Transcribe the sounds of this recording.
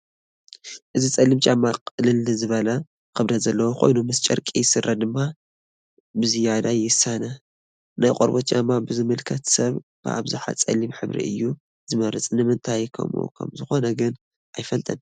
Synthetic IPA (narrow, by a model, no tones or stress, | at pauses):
ʔɨzit͡sʼɐlːimt͡ʃʼamːakʼɨlɨlːɨzɨβɐlɐ | xɨβd̪ɐzɐlːɐwoxʰo̞̰jnumɨst͡ʃʼɐɾkʼijɪsɨrːɐd̪ɨmːa | bɨzɨjad̪ajɪsːanɐ | najqʼoɾbot̪t͡ʃʼamːabɨzɨmɨlkʰɐt̪sɐβb̥ɨ̰ʔa̰βzɨħa̰t͡sʼɐ̰lːimħɨβɾḭɨ̰jːu | zɨmɐɾɨt͡sʼnɨmɨnt̪ʰajkʰɐ̰mṵkʰɐ̰mzɨxo̞nɐɡɨn | ʔajfɐlt̪ʼɐn